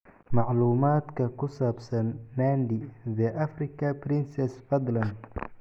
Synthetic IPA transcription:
mɑʕluːmaːd̪kʰɐkʰʊsaːbsɐnːaːnd̪ɪðɐʔɐfrɪkʰɐpɾɪnsɛsfɐd̪lɐnd̪

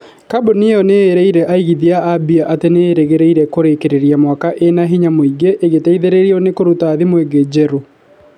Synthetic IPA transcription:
kaboniɔneːɾɛiɾɛʔaiɣiðiaabiaʔateneːɾeɣeɾɛiɾɛkoɾekeɾeɾiamwakaʔenaɦiɲamoiɡeʔːɣetaiðeɾeɾiɔnekoɾutaːðimweɡed͡ʑɛɾo

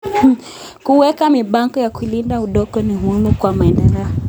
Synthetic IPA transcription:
kuwɛkamiɓaŋkɔjakuilindauɗɔkɔniɦumukwamaɛndɛlɛɔ

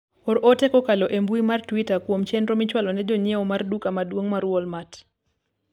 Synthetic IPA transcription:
oɾʔotɛkɔkalɔʔembuimartwitakwomt͡ʃɛndɾomɪt͡ʃwalɔnɛd͡ʒoɲjɛɔmardukamadwoŋmaɾwɔlmat

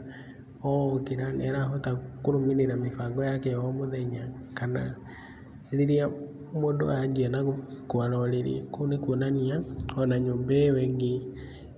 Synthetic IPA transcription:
ɔkeɾanɛɾaɦotakoɾomiɾeɾamefaŋɡɔjakɛɔmoðɛɲa | kana | ɾiɾia | modo̰aɲd͡ʒiɛnaɣokwaɾɔɾeɾḭkonekonaniaɔnaɲoːmbɛwɛŋɡe

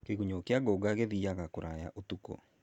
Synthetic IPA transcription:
keɣuɲokeaɡoɡaɣeðiaɣakoɾaja̰ʔotukɔ̰

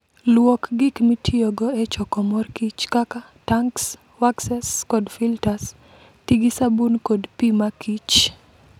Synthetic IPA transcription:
lwokɡɪkmitʰioɡɔɛt͡ʃɔkɔmɔrkit͡ʃkaka | taŋks | waksɛskɔdfiltas | tiɡisabunkodpimakit͡ʃ

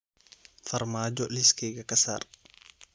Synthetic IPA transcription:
fɐɾmaːd͡ʒɔlɪskʰɛːɡɐkɐsa̰ːr

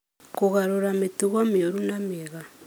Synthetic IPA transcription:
koɣaɾoɾametuɣameoɾunameɣa

